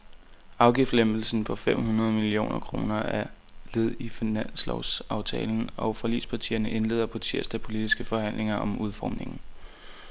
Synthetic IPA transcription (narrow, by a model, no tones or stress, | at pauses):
ɑ̈ʊɡ̥ifd̥lemb̥l̩sn̩pʰɒ̽fem̰ɦunɐð̞̩ˠmilio̝̰ːnɐkʰʁo̝̰ːnɐæɐ | le̝ð̞ˠifinæn̰slɒʊsɑ̈ʊt͡sʰɛ̰ːln̩ɒ̽ʊfɒlḭːspʰɑ̈t͡sʰḭːɐnəʔe̝nle̝̰ːðˠɐpʰɑt͡sʰiɐ̰sd̥æpʰo̝lid̥isɡ̥əfɒ̽hæn̰lʔe̝ŋɐʔɒ̽muð̞ˠfɒ̰ːmne̝ŋn̩